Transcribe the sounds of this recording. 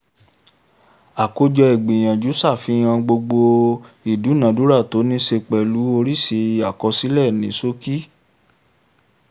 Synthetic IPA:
a˨ko˧d͡ʒɔ˧i˨ɡ͡bĩ˨j̃ã˨d͡ʒu˨˦sa˦˨fĩ˧˦ã˧ɡ͡bo˧ɡ͡bo˧ | i˨du˨˦nã˨˦du˨˦ɾa˦˨to˨˦nĩ˦ʃe˧k͡pɛ˨lu˨˦o˧ɾi˦˨ʃe˧i˧a˨kɔ˧si˦lɛ˦˨nĩ˨˦so˦ki˦

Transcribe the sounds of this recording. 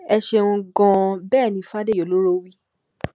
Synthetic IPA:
ɛ˧ʃe˧wũ˧ɡɔ̃˧bɛː˦˨nĩ˧˦fa˦de˦jo˨lo˦ɾo˦wi˦

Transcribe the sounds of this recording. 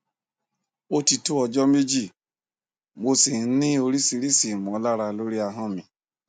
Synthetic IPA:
o˦ti˧tu˦ɔ˧d͡ʒɔ˦me˦d͡ʒi˦˨ | mo˧si˨˦nĩ˦o˧ɾi˦si˧ɾi˦si˨mɔ̃˨˦la˦ɾa˧lo˦ɾi˦a˧ɦɔ̃˦˨mĩ˨

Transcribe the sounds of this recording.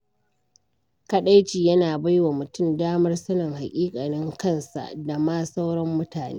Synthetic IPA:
kɐ˦ɗa˦jt͡ʃiː˨jɐ˦naː˨ba˦jwa˨mʊ˨tʊ˦˨mdaː˦mɐ˦rsɐ˦nɐ˨ŋha˨kʲʼiː˦kʼa˨nɪ˦ŋkɐ˦˨nsa̰˨ʔda˨maː˦sa˦wɽɔ˦mːʊ˦taː˨nḛː˦

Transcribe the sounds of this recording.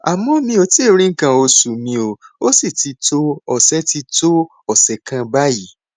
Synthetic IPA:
a˨mɔ̃˧mĩ˧˦o˧ti˦e˦˨ɾ̃ĩ˦ŋ̩˦kã˧o˧su˨mĩ˧o˨o˦si˦˨ti˧to˦ɔ˨sɛ˦ti˧to˦ | ɔ˨sɛ˨˦kã˧ba˦ji˨˦

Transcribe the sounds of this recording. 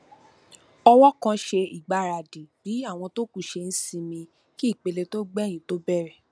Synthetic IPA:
ɔ˧wɔ˦kã˧ʃe˧i˨ɡ͡ba˨˦˨ɾa˨di˨bi˨˦a˦˨w̃ɔ̃˧to˦ku˦˨ʃe˧n̩˦sĩ˦˧mĩ˧ | ki˦i˦˨k͡pe˧le˧to˦ɡ͡bɛ˦˨j̃ĩ˨˦to˦bɛ˦˨ɾɛ˦˨

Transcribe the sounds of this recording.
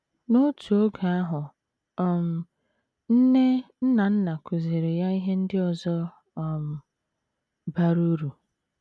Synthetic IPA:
no˦tu˨o˦ɡa˨a˦ɦʊ˨ | ɔ˨m̩˨ | n̩˦ne˦n̩˦na˨n̩˦na˨ku˨ze˨ɾe˨ja˦i˦ɦe˦n̩˦dɪ˦ɔ˨zɔ˦˨ | m̩˨ | ba˦ɾu˦ɾu˨

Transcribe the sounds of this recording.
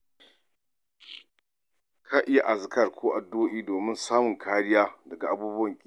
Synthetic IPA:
kʰaː˦ʔɪ˦ja˨ʔa˨zkɐ˦˨rkʷʰoː˦ʔa˨doː˦ʔiː˦doː˨mɪ˦nsaː˦mʊ˨ŋkʰaː˦ɽɪ˦jaː˦dɐ˨ɡa˨ʔa˨buː˦bʊ˦wɐ˨ŋkʲʼ

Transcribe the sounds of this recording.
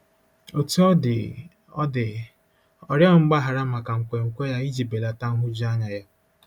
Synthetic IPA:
o˨tu˦ɔ˦dɪ˨ | ɔ˦dɪ˨ | ɔ˨ɾja˦˨ŋ͡m̩˦ɡ͡ba˦ɦa˨ɾa˦ma˨ka˨ŋ̩˨kʷe˨ŋ̩˨kʷe˦ja˦i˦d͡ʒi˨be˨la˨ta˦ŋ̩˦ɦʊ˦d͡ʒi˦a˦ɲa˨ja˦

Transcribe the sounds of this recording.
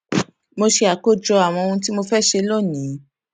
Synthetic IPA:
mo˧ʃe˧a˨ko˦d͡ʒɔ˧a˨w̃ɔ̃˧o˧ũ˧ti˦mo˧fɛ˦ʃe˧lo˦˨nĩ˨˦

